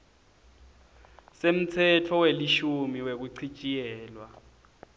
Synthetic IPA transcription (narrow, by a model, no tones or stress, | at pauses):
sem̩t͡sʰɛtʰɔweliʃumiwek̬uǀʰit͡ʃʼijɛːlwa